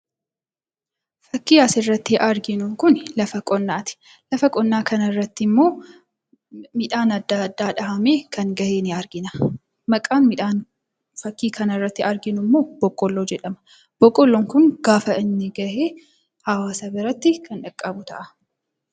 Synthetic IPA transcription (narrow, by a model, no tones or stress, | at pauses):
fɐkːiːɐsɪrːɐt̪ːɪʔɐɾɡɪnʊkʊnlɐfɐkʼɔnːaːt̪ɪ̥ | lɐfɐkʼɔnːaːkɐnɐrːɐt̪ːɪmːo̞ː | mɪᶑaːnɐd̪ːɐd̪ːaːᶑɐhɐmeːkɐŋɡɐheːnɪɐɾɡɪnɐ | mɐkʼaːnmɪᶑaːn | fɐkːiːkʰɐnɐrːɐt̪ːɪɐɾɡɪnʊmːo̞ːb̥ɔkʼːɔlːoːd͡ʒɛᶑɐmɐ̥ | b̥ɔkʼːɔlːɔŋkʊŋɡ̥aːfɐɪnːɪɡɐʔeː | hɐwaːsɐbɪɾɐt̪ːɪkʰɐnᶑɐkʼːɐbʊt̪ɐ̰ʔɐ